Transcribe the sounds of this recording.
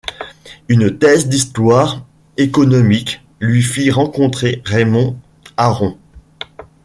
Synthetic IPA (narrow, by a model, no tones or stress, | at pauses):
ynt̪ɛzd̪ist̪waʁ | ekɔnɔmik | lɥifiʁɑ̃kɔ̃t̪χeʁemɔ̃ | aʁɔ̃